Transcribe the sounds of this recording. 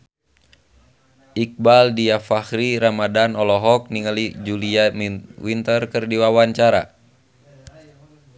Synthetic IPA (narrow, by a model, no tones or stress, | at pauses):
ik̚baldiafahɾiɾamadanɔlɔɦɔk̚niŋalid͡ʒuliawint̪ərkərdiwawaɲt͡ʃaɾa̰